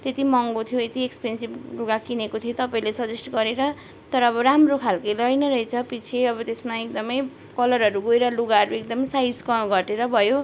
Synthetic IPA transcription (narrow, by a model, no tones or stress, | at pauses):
t̪et̪imʌŋɡot̪ʰjoet̪iekspensibluɡakinekot̪ʰiot̪ʌpaĩlesʌd͡zesʈʌɡʌɾeɾʌ | t̪ʌɾʌːbʌɾamrokʰalkajlʌjnʌɾʌjt͡sʰʌpit͡sʰeʌbʌt̪esmaek̚d̪ʌmʌj | kʌlʌɾɦʌɾuɡoeɾʌluɡaɦʌɾuek̚d̪ʌmʌjsajd͡zkʌɡʱʌʈeɾʌbʱʌjo